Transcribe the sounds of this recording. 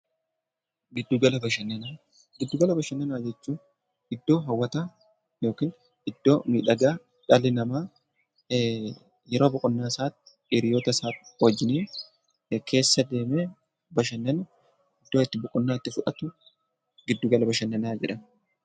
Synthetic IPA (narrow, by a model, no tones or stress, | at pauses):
ɡɪd̪ːuːɡɐlɐbɐʃɐnːɐnaː | ɡɪd̪ːuːɡɐlɐbɐʃɐnːɐnaːd͡ʒɛt͡ʃːuːn | ʔɪd̪ːo̞ːɦɐwːɐt̪aː | jo̞ːkiːn | ʔɪd̪ːo̞ːmiːᶑɐɡaː | ᶑɐlɪnɐmaː | jɛɾo̞ːbʊkʼʊnːaːsaːt̪ːɪ̥ʔɪɾɪjoːt̪ɐsaːwɐd͡ʒːɪniː | kʰe̞ːsːɐd̪e̞ːmeː | bɐʃɐnːɐnɐ | ɪd̪ːoːɪt̪ːɪbʊkʼʊnːaːɪt̪ːɪfʊᶑɐt̪ʊ | ɡɪd̪ːuɡɐlɐbɐʃɐnːɐnaːd͡ʒɛᶑɐn